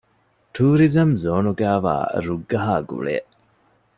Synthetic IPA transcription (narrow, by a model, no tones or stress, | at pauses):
ʈʰuːɾizɐmzoːnuɡæːʋa̰ːɾuɡːɐɦaːɡṵɭḛːʔ